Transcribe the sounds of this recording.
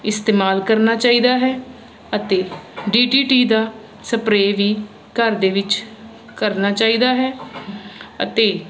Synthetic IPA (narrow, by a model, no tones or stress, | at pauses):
ɪst̪eːmaːlkəɾnaːt͡ʃaːiːd̪aːɦɛː | ət̪eːɖiːʈiːʈiːd̪aː | səpɾeːʋiː | kəɾd̪eːʋɪt͡ʃ | kəɾnaːt͡ʃaːiːd̪aːɦɛː | ə̰t̪eː